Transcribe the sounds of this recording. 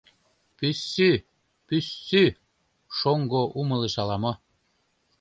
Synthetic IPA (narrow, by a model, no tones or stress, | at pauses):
pysːy | pysːy | ʃoŋɡoʔumɤ̆leʃɑlˠɑmɤ